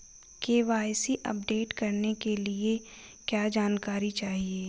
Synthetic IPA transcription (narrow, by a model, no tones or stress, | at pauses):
keːʋaːjsiʔɐ̰p̚ɖeːʈkɐɾnekelie | kjaːd͡ʒaːnkaːɾit͡ʃaːɦieː